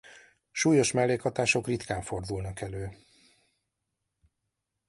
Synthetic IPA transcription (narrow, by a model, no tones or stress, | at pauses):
ʃuːjo̞ʃmɛlːeːkhɒt̪aːʃo̞krit̪kaːɱfo̞rd̪ulnɒkɛløː